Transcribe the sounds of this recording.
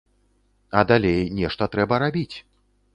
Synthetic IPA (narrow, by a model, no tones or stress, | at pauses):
ɐd̪alʲejnʲɛʂt̪ɐt̪ɾɛbɐɾabʲit͡sʲ